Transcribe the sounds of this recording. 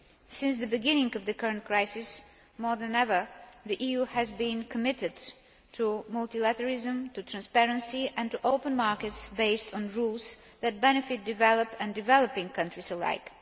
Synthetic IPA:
sɪ̃nsðɨbɨɡɪ̃nɪ̃ŋʌvðɨkɜɹɨ̃nt̚kʰɹaɪsɪs | mɔɹðɨ̃nɛvə˞ðiʔijuhɨzbĩnkʰəmɪɾɨd | tʰumʌlˠtilæɾəɹɪzə̃mtutʰɹ̥æ̃nspɛɹə̃nsiʔɨ̃ntuʔoʊpə̃nmɑɹkɨtsbeɪstn̩ɹulˠz | ðɨt̚bɛnɨfɪt̚d̥ɨvɛlˠəpɨ̃ndɨvɛlˠəpɪ̃ŋkʰʌ̃ntɹ̥isəla̰ɪk

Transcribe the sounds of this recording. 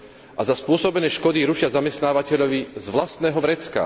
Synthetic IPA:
ʔazaspʊɔsɔbɛnɛːʃkɔd̪iɾuʃɪazamɛst̪naːʋacɛʎɔʋizʋlast̪nɛːɦɔʋɾɛt͡ska̰

